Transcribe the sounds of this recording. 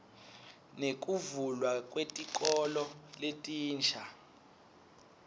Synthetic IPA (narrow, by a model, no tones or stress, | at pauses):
nek̬ʼuvulwakʼwetʼikʼɔlɔletʼiːnt͡ʃʰa